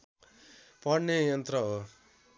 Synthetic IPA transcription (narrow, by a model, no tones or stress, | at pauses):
pʌɽnːejʌnt̪ɾʌɦo